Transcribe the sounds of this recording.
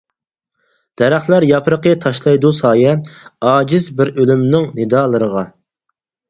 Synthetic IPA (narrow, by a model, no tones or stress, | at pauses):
d̪̥ɛɾæχt̪læɾjɑpʰɾəqət̪ʰɑʃlˠɑjd̪usɑːjɛɑːd͡ʒɪzbɪɾølymnɪŋnɪd̪ɑːlˠəɾəʁɑ